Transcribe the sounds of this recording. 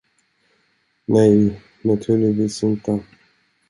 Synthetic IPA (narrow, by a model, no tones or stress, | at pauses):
nɛj | nat̪ʰʉːɭɪviːsɪnt̪ə